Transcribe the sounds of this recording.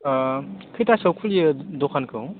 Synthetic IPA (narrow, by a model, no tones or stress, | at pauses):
kʰɯjtasɐwkʰuljɯdɔkʰankʰɯw